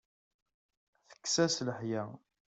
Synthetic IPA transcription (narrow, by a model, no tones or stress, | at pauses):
θə̥kːsæsləħjæ